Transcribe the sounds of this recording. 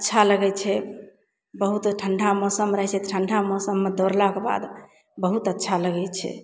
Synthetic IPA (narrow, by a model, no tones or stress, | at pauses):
ətːt͡ʃʰaləɡɛt͡ʃʰɛ | bəɦut̪ʈʰəɳɖʱamɔsəmɾəɦɛt͡ʃʰɛʈʰəɳɖʱamɔsəmːed̪oɾlakeba̰d̪ | bəɦut̪ətːt͡ʃʰaləɡɛt͡ʃʰɛ̰